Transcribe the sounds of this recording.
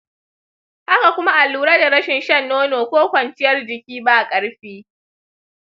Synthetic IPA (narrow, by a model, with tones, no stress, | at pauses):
ʔa˦ka˨kʷʊ˦ma˦ʔa˨lːuː˦˨ɾaː˦da˨ɾɐ˦ʃɪ˨nʃɐ˦nːoː˦noː˨kʷoː˦kʷɐ˨nt͡ʃɪ˦jɐ˦rd͡ʒɪ˨kʲiː˦baː˦˨kʼɐ˦ɽɸiː˦